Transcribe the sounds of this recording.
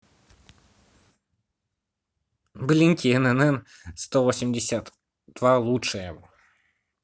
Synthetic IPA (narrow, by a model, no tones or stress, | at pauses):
blʲinʲkʲiɛnɛnɛn | st̪ovosʲɪmʲdʲɪsʲat̪ | d̪̥valˠutʂɨjəjɪvo